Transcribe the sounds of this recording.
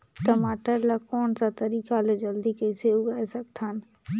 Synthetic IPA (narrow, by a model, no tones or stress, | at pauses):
kɐmaːʈəɾlakɔːnsat̪ɐɾiːkaled͡ʒəld̪ikeseʊɡaɛsɐkt̪ʰan